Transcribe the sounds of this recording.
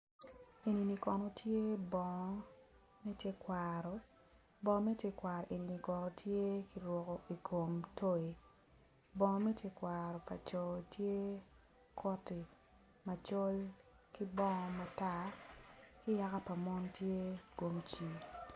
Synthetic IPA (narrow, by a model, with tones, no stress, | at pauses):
e˨ni˨ni˨kɔ˨nɔ˨tje˦bɔ˨ŋ˦ | mɛ˦tje˦kwaɾɔ˨ | bɔ˦mɛ˦tje˦kwa˨ɾɔ˨ʔe˨ni˨ni˨kɔ˨ɾɔ˨tʰje˦ki˦ɾwɔ˨kɔ˨ʔi˨kʰo˨mto˦e˨ | bɔ˦ŋ˦mɛ˦tje˦kwaɾɔ˨pa̰˨t͡ʃɔ˨tje˦ | kʰɔ˦ti˨ | ma˨t͡ʃo˦l | ki˦bɔ˦ŋɔ˨ma˨ta˦ | kɪ˦ja˦ka˦pa˨mɔ˦ntje˦ɡo˨mt͡ʃi˨